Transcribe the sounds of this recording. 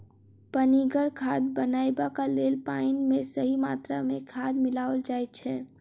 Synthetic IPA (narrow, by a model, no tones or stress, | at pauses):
pəniɡəɾkʰad̪bənajbakalelpaɪnmesəɦimat̪ɾamekʰad̪milaʋəld͡ʒajt̪̚t͡ʃʰɛ